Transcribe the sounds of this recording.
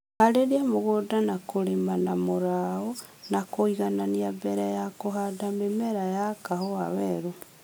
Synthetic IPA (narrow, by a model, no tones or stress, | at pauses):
haɾeɾiamoɣodanakoɾemanamoɾaonakoiɣananiabɛɾajakoɦadamemɛɾajakahoaβɛɾo